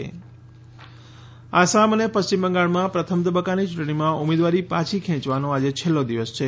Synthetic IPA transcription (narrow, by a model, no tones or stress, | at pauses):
asamənepəst͡ʃimbəŋɡaɭmãpɾət̪ʰəmt̪əbəkːanit͡ʃũʈɳimãumed̪ʋaɾipãt͡ʃʰikʰɛ̃t͡ʃʋanõad͡ʒet͡ʃʰelːod̪iʋəst͡ʃʰe